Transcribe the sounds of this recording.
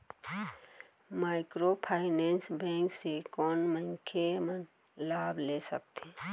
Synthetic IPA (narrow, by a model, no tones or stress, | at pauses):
maːɪkɾopʰaːɪnẽːnsbɛ̃ːŋksekɔːnmə̃ŋkʰemən | laːblesək̚t̪eː